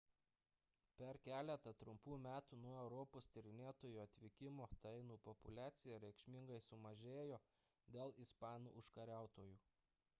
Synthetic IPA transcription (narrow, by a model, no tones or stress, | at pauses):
pʲɛɾkʲæːlʲɛt̪ɐt̪ɾʊmpuːmʲæːt̪uːnuɔɛʊɾɔpoːst̪ʲɪɾʲɪnʲeːt̪oːjuːɐt̪ʲʋʲɪkʲɪmoːt̪ɐɪnuːpɔpʊlʲæːt̪sʲɪjɛɾʲɛɪkʃʲmʲɪŋɡɐɪsʊmɐʒʲeːjoː | d̪ʲeːlˠɪspɑːnṵːʔʊʃkɐɾʲæˑʊt̪oːjuː